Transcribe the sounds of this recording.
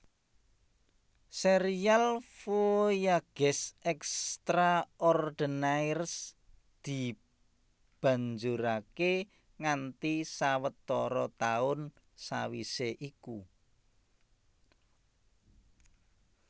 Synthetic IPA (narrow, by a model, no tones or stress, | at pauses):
seɾialfojaɡ̥ɛsɛkst̪ɾaʔɔrd̪̥ə̤najrs | d̪̥i̤ | b̥ä̤ɲd͡ʒuɾake | ŋant̪isawət̪ːɔɾɔt̪aʊn | sawḭseʔiku